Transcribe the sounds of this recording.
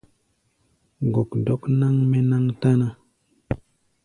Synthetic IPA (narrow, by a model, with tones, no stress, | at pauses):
ɡo˨kn˨do˦kna˦ŋme˦na˦ŋta˦na˦